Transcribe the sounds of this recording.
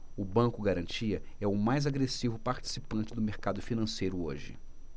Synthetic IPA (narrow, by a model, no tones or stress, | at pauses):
ʊbɐ̃kʊɡaɾɐ̃nt͡ʃiɐɛʊmajzaɡɾesivʊpaɾt͡ʃi̥sipɐ̃nt͡ʃɪd̪ʊmeɾkad̪ʊfinɐ̃sejɾʊoʒɪ̰